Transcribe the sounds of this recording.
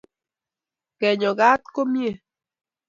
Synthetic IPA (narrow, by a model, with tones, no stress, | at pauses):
kɛ˨ɲɔ˨ɡa˦t̪ko˦mje˦˨